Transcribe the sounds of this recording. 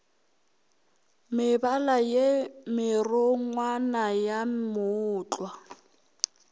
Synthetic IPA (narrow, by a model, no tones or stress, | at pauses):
mɪbalajemɪrʊŋwanajamʊːt͡ɬʼwa